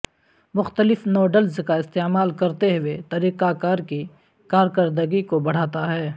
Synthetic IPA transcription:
mʊxt̪əlɪfnɔːɖəlzkaɪst̪eːmaːlkɐɾt̪eɦʊwet̪ɐɾiːqaːkaːɾki | kaːɾkɐɾd̪əɡikobɐɽ̤aːt̪aɦɛː

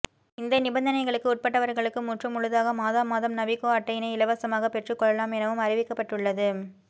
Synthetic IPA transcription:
ɪnd̪ɐnɪbɐnd̪ɐnɐɪɣɐɭɯkːɯʊʈ̚pɐʈːɐʋɐɾɣɐɭɯkːɯmʊʈrɯmːʊɻɯðaːɣɐmaːðaːmaːðɐmnɐbɪkːoːaːʈːɐjɪnɐɪɪlɐʋɐsɐmaːɣɐpɛʈrɯkːɔɭːɐlaːmɛnɐʋɯmɐrɪʋɪkːɐpːɐʈːɯɭːɐðɯ

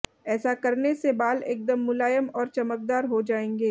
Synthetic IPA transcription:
ɛːsakɐɾnesebaːleːk̚d̪əmːʊlaːjəmɔːɾt͡ʃɐmək̚d̪aːɾɦod͡ʒaːẽːŋɡeː

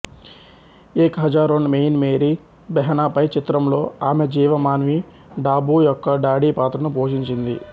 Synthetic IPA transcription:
eːkɦɐd͡ʒaːɾoːɳmejnmeːɾi | bɛɦɐnaːpɐjt͡ʃit̪ɾɐmlo̞ːaːmed͡ʒiːʋɐmaːnʋi | ɖaːbuːjɔkːɐɖaːɽiːpaːt̪ɾɐnupoːʃiɲt͡ʃind̪ḭ

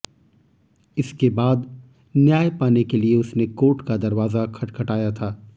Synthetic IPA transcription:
ɪskebaːd̪ | njaːjpaːnekelieʊsnekoːʈkad̪ɐɾʋaːzakʰɐʈkʰɐʈaːjat̪ʰaː

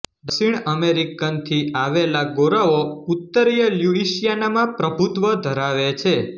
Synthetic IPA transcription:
ɖəsiɳəmeɾikənt̪ʰiaʋelaɡoɾaout̪ːəɾjəljuiʃijanamãpɾəbʱut̪ʋəd̪ʱəɾaʋet͡ʃʰe

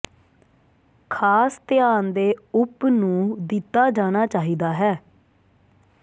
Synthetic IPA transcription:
kʰaːst̪ɪjaːnd̪eːʊpnũːd̪ɪt̪ːaːd͡ʒaːñaːt͡ʃaːɦiːd̪aːɦɛː

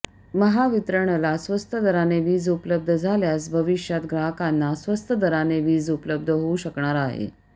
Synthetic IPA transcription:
məɦaʋit̪ɾəɳ̃lasʋəst̪ʰəd̪əɾaneʋiːd͡zupləb̚d̪ʱəd͡zʱaljas̬bʱəʋiɕjat̪ɡɾaɦəkanːasʋəst̪ʰəd̪əɾaneʋiːd͡zupləb̚d̪ʱəɦouɕəkɳaɾaɦḛ

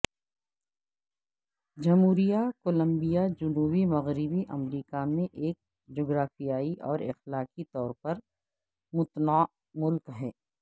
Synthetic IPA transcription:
d͡ʒɐmɦuːɾijakoːlə̃mbijad͡ʒʊnuːbimɐɣɾɪbiʔɐmɾiːkamẽʔeːk̚ | d͡ʒoːɡɾaːfijaːiʔɔːɾɪ̰xlaːkit̪ɔːɾpɐɾ | mʊt̪naː | mʊlkɦɛː

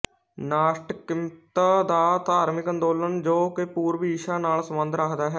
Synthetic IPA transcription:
naːʃʈkɪmt̪ad̪aːt̪aːɾmɪkənd̪oːlənd͡ʒoːkepuːɾʋiːʃaːnaːlsəmə̃nd̪ɾəkʰd̪aːɦɛː

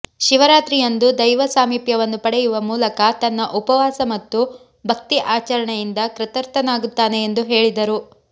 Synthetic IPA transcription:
ʃiʋɐɾaːt̪ɾijɐnd̪ud̪ɐjʋɐsaːmiːpjɐʋɐnːupɐɽɛjuʋɐmuːlɐkɐt̪ɐnːɐʔupɐʋaːsɐmɐt̪ːu | bʱɐk̚t̪iʔaːt͡ʃɐɾɐɳejind̪ɐkɾɐt̪ɐɾt̪ɐnaːɡut̪ːaːne̞ːnd̪uɦe̞ːɭid̪ɐɾu

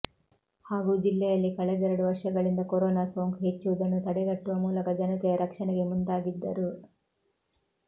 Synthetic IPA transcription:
haːɡud͡ʒilːɛjɐlːikɐɭɛd̪ɛɾɐɽuʋɐɾʂɐɡɐɭind̪ɐkoɾoːnaːsoːŋkɦe̞t͡ʃːuʋud̪ɐnːut̪ɐɽɛɡɐʈːuʋɐmuːlɐkɐd͡ʒɐnɐt̪ɛjɐɾɐkʂɐɳɛɡe̞mund̪aːɡid̪ːɐɾu

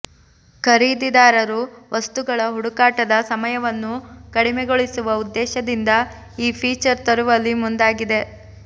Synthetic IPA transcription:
kʰɐɾiːd̪id̪aːɾɐɾuʋʔɐst̪uɡɐɭɐɦuɽukaːʈɐd̪ɐsɐmɐjɐʋɐnːukɐɽimɛɡoɭisuʋɐud̪ːɛːʃɐd̪ind̪ɐ | iːpʰiːt͡ʃɐɾt̪ɐɾuʋɐlːimund̪aːɡid̪e̞

